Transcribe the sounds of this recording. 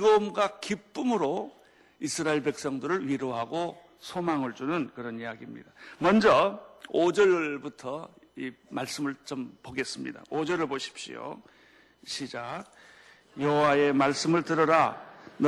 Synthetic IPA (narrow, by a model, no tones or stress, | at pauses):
ɡʌmɡwakip͈ɯmɯɾo | isʰɯɾaiɭbe̞k̚s͈ʌŋdɯɾɯɭɥiɾoɦaɡo | sʰomaŋɯɭd͡ʑunɯnkɯɾʌnijaɡimɲḭd̥amʌnd͡ʑʌod͡ʑʌɭbutʰʌ | imaɭs͈ɯmɯɭt͡ɕompoɡe̞s͈ɯmɲḭda̰od͡ʑʌɾɯɭboɕʰi̥pɕ͈ḭo̰ | ɕʰid͡ʑak̚ | jʌɦowae̞maɭs͈ɯmɯɭtɯɾʌɾan